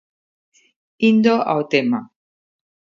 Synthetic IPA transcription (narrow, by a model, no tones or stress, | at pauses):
ind̪oʔa̰ot̪ema